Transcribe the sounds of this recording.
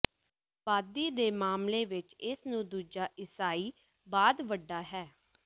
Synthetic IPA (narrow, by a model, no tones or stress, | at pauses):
ʋaːd̪iːd̪eːmaːmleːʋɪt͡ʃɪsnũːd̪uːd͡ʒaːʔɪsaːiː | baːd̪ʋəɖːaːɦɛː